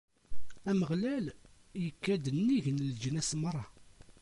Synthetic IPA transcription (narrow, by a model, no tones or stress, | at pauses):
æməʁlæl | jəkːæd̪ənːiʝənld͡ʒnæsmərˤːɑ